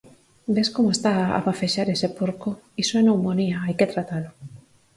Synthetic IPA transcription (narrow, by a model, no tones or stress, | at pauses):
beskomoest̪aa̰βafeʃaɾesepuɾkoisoenowmoniaajket̪ɾat̪alo